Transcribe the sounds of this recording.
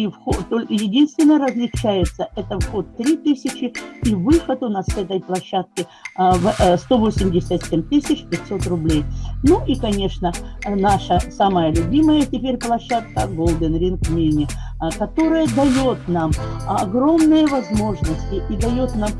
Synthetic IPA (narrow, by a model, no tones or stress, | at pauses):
ifxot̪olʲkəjɪdʲinst̪vʲɪnːəɾəzʲlʲɪt͡ɕæjɪt̪səʔɛt̪əfxo̞t̪ːɾʲit̪ɨsʲɪt͡ɕɪivɨxət̪ʊnassɛt̪əjplˠɐɕːat̪̚kʲɪ | vst̪o̞vo̞sʲɪmʲdʲɪsʲət̪ʲsʲemʲt̪ɨsʲɪt͡ɕpʲɪtʲso̞t̪rʊblʲejnuʔikɐnʲe̞ʂnənaʂəsaməjəlʲʊbʲiməjətʲɪpʲeɾʲplˠɐɕːat̪̚kəɡolˠd̪ənɾʲinknʲenʲɪ | kɐt̪o̞ɾəjəd̪ɐjot̪namɐɡɾo̞mnɨjəvɐzmo̞ʐnəsʲtʲɪʔid̪ɐjot̪nam